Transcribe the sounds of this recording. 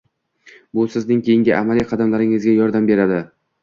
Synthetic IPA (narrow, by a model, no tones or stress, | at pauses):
bʊsɪznɪŋkʲʰejɪŋɡʲɪʔamalijqʰɑd̪amlaɾɪŋɪzɡʲajɒɾd̪ambe̞ɾad̪ɪ